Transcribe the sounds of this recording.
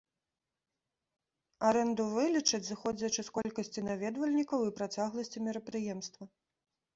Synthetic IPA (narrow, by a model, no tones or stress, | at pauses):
aɾɛnd̪uvɨlʲit͡ʂɐt͡sʲzɨxɔd͡zʲɐt͡ʂɨskɔlʲkɐsʲt͡sʲinavʲɛd̪vɐlʲnʲikɐwipɾat͡sʲaɣlˠɐsʲt͡sʲimʲɛɾɐpɾɨjɛmst̪vɐ